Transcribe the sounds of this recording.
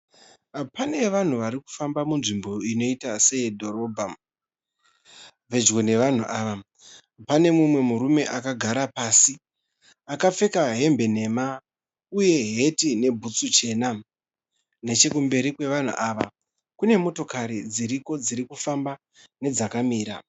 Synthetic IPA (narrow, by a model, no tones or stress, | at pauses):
pane̞ʋan̤uʋaɾiku̥fambamunʐimbo̞ino̞itase̞dʱo̞ɾo̞ːbʱa | ʋe̞d͡ʒɡone̞ʋan̤uʔaːʋa | pane̞mumwe̞muɾume̞ʔakaɡʱaɾapasi | akap͡fe̞kaɦe̞mbe̞ne̞ma | uje̞ɦe̞tine̞bʱut͡sut͡ʃe̞na | ne̞t͡ʃe̞kumbe̞ɾikwe̞ʋan̤ṵʔaʋa̰ | kune̞mo̞to̞kaɾid͡ziɾiko̞d͡ziɾikufamba | ne̞d͡zakamiːɾa̰